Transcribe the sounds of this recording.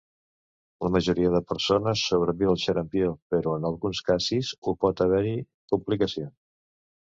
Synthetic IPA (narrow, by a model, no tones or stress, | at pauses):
ləməʒuɾiəðəpəɾsonəsːoβɾəβiəlˠʃəɾəmpiopəɾoənəlˠɣunskazizupɔt̪əβɛɾi | puplikəsions